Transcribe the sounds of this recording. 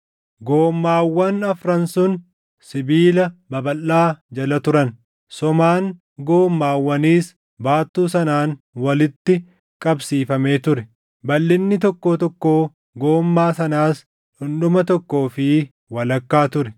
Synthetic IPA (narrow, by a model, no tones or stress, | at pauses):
ɡo̞ːmːaːwːɐnɐfɾɐnsʊn | sɪbiːlɐbɐbɐlːaːd͡ʒɐlɐt̪ʊɾɐn | sɔmaːŋ | ɡo̞ːmːaːwːɐniːs | baːt̪ːuːsɐnaːn | wɐlɪt̪ːɪ | kʼɐbsiːfɐme̞ːt̪ʊɾɛ | bɐlːɪnːɪt̪ɔkːoːt̪ɔkːoː | ɡo̞ːmːaːsɐnaːs | ᶑʊnɗʊmɐt̪ɔkːo̞ːfɪ | wɐlɐkːaːt̪ʊɾɛ